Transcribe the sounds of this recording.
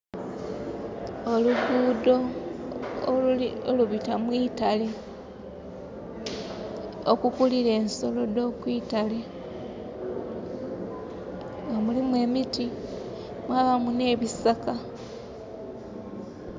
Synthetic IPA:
oluɡuːdo̞ | oluβitamwiːtale̞ | okukuliɾe̞ːnso̞lo̞do̞ːkwiːtale̞ | ŋɡamulimwe̞ːmiti | mwaβamune̞ːβisaka

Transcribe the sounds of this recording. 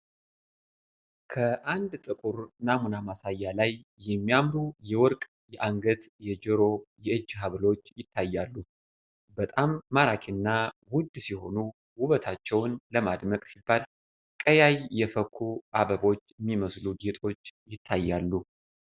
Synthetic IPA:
kʰəʔand̪t̪ʼɨkʼuɾnamunamasajːalajːɛmːijamɾujɛwɔɾkʼ | jɛʔaŋɡət̪jɛd͡ʒəɾo̞jɛɨd͡ʒːɦaβlo̞t͡ʃːjɪt̪ʰːajːalːu | bət̪ʼamːaɾakʰɪnːawʊd̪siho̞nu | wʊβət̪ʰat͡ʃːɛwnləmad̪məkʼsibːal | kʼəjajːɛfəkʰːuʔaβəβo̞t͡ʃːjɛmːiməsluɡet̪ʼo̞t͡ʃːjɪt̪ʰːajːalːu

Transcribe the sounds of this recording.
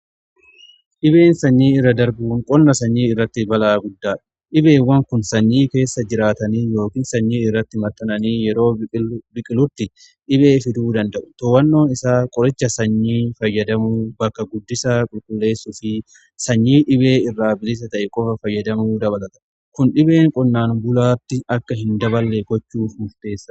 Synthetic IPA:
ʔɪbe̞ːnsɐɲːiːɪrːɐd̪ɐɾbuːŋkʼɔnːɐsɐɲːiːɪrːɐt̪ːɪbɐlaːɡʊd̪ːaːᶑ̥ | ʔɪbe̞ːwɐŋkʊnsɐɲːiːke̞ːsːɐd͡ʒɪɾaːt̪ɐniːjo̞ːkiːnsɐɲːiːɪrːɐt̪ːɪmɐɾt̪ːɐnɐniːjɛɾo̞ːbɪkʼɪlʊt̪ːɪ | ʔɪbe̞ːfɪd̪uːd̪ɐnd̪ɐʔʊ̥t̪owɐnːoːnɪsaːkʼɔɾɪt͡ʃːɐsɐɲːiːfɐjːɐd̪ɐmuːbɐkːɐɡʊd̪ːɪsɐkʼʊlkʼʊlːe̞ːsːʊfɪ | sɐɲːiːᶑɪbe̞ːɪrːaːbɪlɪs̬ɐt̪ɐʔɛkʼɔfɐfɐjːɐd̪ɐmuːd̪ɐβɐlɐt̪ɐ̥ | kʊnᶑɪbe̞ːŋkʼɔnːaːnbʊlaːt̪ːɪɐkːɐɦɪnd̪ɐbɐlːeɡɔt͡ʃːuːfmʊft̪e̞ːsːɐ

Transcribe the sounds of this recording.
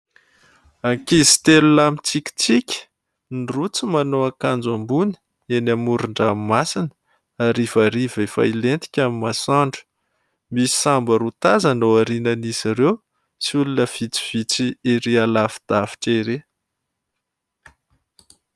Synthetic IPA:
akizi̥t̪elunamit͡sikʲi̥t͡sikʲə̥ | nirut͡simanoakand͡zambunə̥ | enamuɾuɳɖ͡ʐamimasinə̥ | aɾivaɾivefa̰ilent̪i̥kʲamimasaɳɖ͡ʐə̥ | mii̥sambəɾut̪azanoaɾinəniziɾew | siulunəv̥it͡si̥v̥it͡siiɾialafi̥d̪̥afi̥ʈ͡ʂeɾe

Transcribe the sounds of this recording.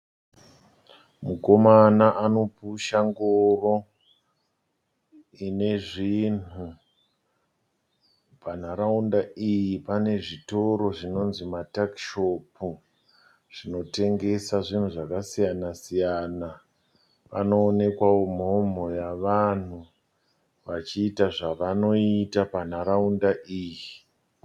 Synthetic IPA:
muko̞manaʔano̞puʃaŋɡoro̞ | ine̞ʐinu | pan̤aɾaundaijipane̞ʐito̞ɾo̞ʐino̞nzimatakʃo̞pu | ʐ̥ino̞te̞ŋɡe̞saʐin̤uʐakasijanasijana | pano̞ːne̞kwawo̞mo̞m̤o̞jaʋan̤u | ʋat͡ʃiːtaʐaʋano̞itapan̤aɾaundaʔiːji

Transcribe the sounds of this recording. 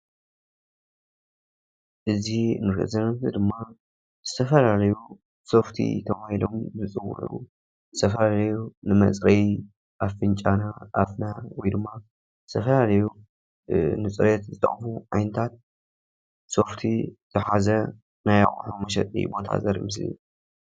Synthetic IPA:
ʔɨzinɨkɨ̰zɐnɐnt̪ɨd̪ɨmːa | z̥ɨt̪ʰɐfɐlalɐju | so̞ft̪ʰḭt̪ʰɐβahilo̞mzɨt͡sʼɨwːṵħṵ | zɨt̪ʰɐfɐlalɐjunɨmɐ̰t͡sʼɾɐj | ʔaffɨnt͡ʃʼanaʔafnawɔjd̪ɨmːa | zɨt̪ʰɐfɐlalɐju | nɨt͡sʼɨɾet̪zɨt̪ʰʼɐ̰χʼfuʕajnɐt̪ʰat̪̚ | so̞ft̪ʰizɨħazɐ | naja̰χʼħumɐʃɐ̰t̪ʼḭbo̞t̪ʰa̰zɐɾmɨslḭ

